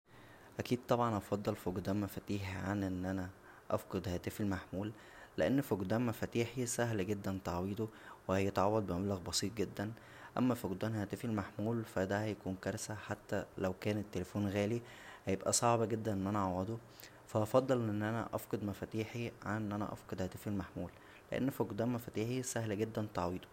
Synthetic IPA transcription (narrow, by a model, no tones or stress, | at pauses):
ʔækiːd̪̚t̪ˤɑbʕɑnʔɑfɑd̪ˤːɑlfoɡd̪æːmmːæfæt̪iːħiʕanʔenːʔænæ | ʔɑ̰fqɑd̪hæːt̪efelmaħmuːlː | eʔenːfoɡd̪æːmmæfæt̪iːħisæɦlɡed̪ːænt̪ɑʕwiːd̪owehæjet̪ʕɑwːæd̪̚bemæblæɣbɑsˤiːt̪̚ɡed̪ːæn | ʔæ̰mːæfoɡd̪æːnhæːt̪efelmaħmuːlfæd̪æhæjækuːnkɑɾˤsæħat̪ːælæwkæːnet̪ːelefoːnɣæːli | hæjebʔæsˤɑʕbɑɡed̪ːænʔenːʔænæʔʕɑwɑd̪o | fæʔɑfɑd̪ˤːɑlʔʔenːʔænæ̰ʔɑfqɑd̪mæfæːt̪iːħiʕanːʔænæ̰ʔɑ̰fqɑd̪hæːt̪efelmaħmuːlː | eʔḛnːfoɡd̪æːmmæfæːt̪iːħisæhlæɡed̪ːænt̪ˤɑʕwiːd̪o̥